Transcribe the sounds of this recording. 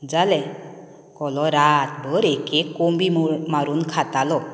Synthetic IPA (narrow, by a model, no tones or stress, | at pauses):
d͡ʒalɛ | kɔlɔɾat̪̚bɔɾekekːɔmbimaɾunkʰat̪alɔ